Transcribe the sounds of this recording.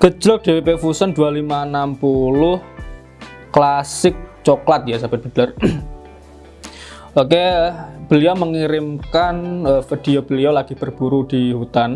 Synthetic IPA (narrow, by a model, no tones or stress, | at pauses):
ɡ̥ə̥d͡ʒ̥ɔk̚d̥ewepefusənd̪ualimanampulʊh | klasɪk̚t͡ʃɔklat̪̚jasabɛt̪̚b̥ə̤dar | okeb̥əliɔməŋiɾɪmkanəfid̥iob̥əliolaɡ̥ib̥ərb̥uɾud̥ihut̪an